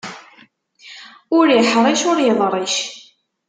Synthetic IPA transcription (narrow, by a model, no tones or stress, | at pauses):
ʊɾiħɾˤiʃʊɾjəðˤɾˤiʃ